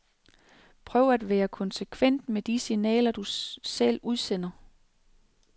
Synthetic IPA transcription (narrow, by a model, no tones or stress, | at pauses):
pʰʁœːʊæd̥ʋæːɐkʰɒ̽nsekʰʋen̰d̥med̥isinɛ̰ːlɐd̥usel̰uð̞ˠsen̰ɐ